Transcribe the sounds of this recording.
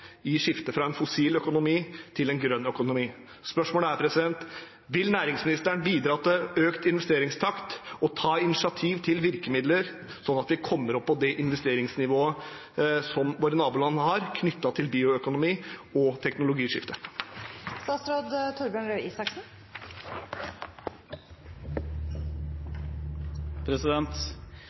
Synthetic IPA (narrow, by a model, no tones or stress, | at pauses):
ɪʂɪft̪əfɾɑɛnfʊsiːlœkʊnʊmiːt̪ʰɪlɛnɡɾœnːœkʊnʊmiː | spœʂmoːləæɾpʰɾɛsɪd̪ɛnt̪ | ʋɪlnæːɾɪŋsmɪnɪst̪əɳbiːd̪ɾɑːt̪əøːkt̪ɪnʋɛst̪eːɾɪŋst̪ʰɑkt̪ɔt̪ʰɑːɪnɪsɪɑt̪ʰiːʋt̪ʰɪlʋɪɾkəmɪd̪ləɾ | sɔnːɑt̪ʋɪkʰɔmːəɾɔpːɔd̪ɛʔɪnʋɛst̪eːɾɪŋsnɪʋoːə | sɔmʋoːɾənɑːbuːlɑnːəhɑɾkʰnʏt̪ːɑt̪ʰɪlbiːʊœkʊnʊmiːɔt̪ʰɛknʊlʊɡiːʂɪft̪ə | st̪ɑːsɾoːd̪t̪ʰʊɾbjøːɳɾœʏiːsɑksn̩ | pʰɾɛsɪd̪ɛnt̪